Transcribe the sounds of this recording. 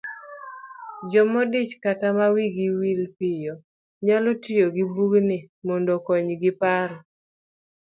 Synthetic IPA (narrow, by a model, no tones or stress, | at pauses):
d͡ʒɔmɔdit͡ʃkatamawiɡiwilpɪjɔ | ɲalɔtɪjoɡɪbuɡnɪmɔndɔkɔɲɡɪpaɾɔ